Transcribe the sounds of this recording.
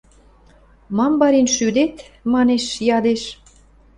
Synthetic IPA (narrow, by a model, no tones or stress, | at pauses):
mɑmbɑɾenʃyd̪et̪mɑneʃjɑd̪eʃ